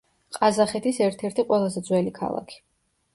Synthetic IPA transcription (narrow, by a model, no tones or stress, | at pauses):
qʼazaχɛt̪ʰisɛɾt̪ʰɛɾt̪ʰiqʼwɛlˠazɛd̪zwɛlikʰa̰lˠa̰kʰi̥